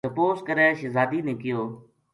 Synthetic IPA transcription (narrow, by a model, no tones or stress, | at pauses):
əpoːskəɾɛːʃɪzaːd̪iːnɪkɪjoː